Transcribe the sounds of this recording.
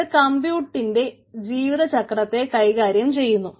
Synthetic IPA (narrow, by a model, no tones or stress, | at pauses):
kɐmbjuːʈːinde̞ | d͡ʑiːʋiðɐt͡ɕɐkrɐt̪ːe̞kɐjkaːɾjɐmt͡ɕe̞jːunːu